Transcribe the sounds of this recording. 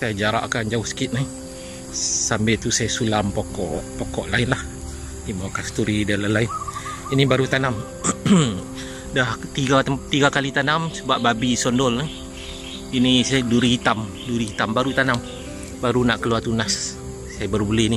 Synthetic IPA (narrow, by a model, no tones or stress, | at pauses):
sajad͡ʒaɾa̰ʔkand͡ʒaʊhsə̥kɪt̪̚na | sambɛt̪usajasulampokɔ̰ʔpokɔʔlaɪnlah | dimakast̪uɾidalalaɪn | inibaɾut̪anam | daht̪iɡat̪iɡakalit̪anamsəbaʔ̚babisɔndɔlna | inisaduɾiɦit̪am | duɾiit̪ambaɾut̪anam | baɾunaʔkəluart̪unasː | ajabaɾubəlɛhni